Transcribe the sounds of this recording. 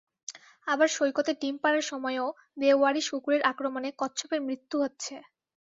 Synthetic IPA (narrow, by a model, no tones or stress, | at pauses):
abaɾʃojkot̪eʈimpaɾaɾʃɔmɔeo | beaɾiʃukuɾeɾʔakɾomonekɔtːɕʰɔpeɾmɾit̪ːuɦotːɕʰe